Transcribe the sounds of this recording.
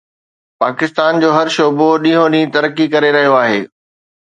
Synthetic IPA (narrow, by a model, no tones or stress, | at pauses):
paːkɪst̪aːnd͡ʑoːɦɐɾʃoːboɗĩːɦõɗĩːt̪ɐɾəkːikɐɾeɾɐɦijoaːɦeː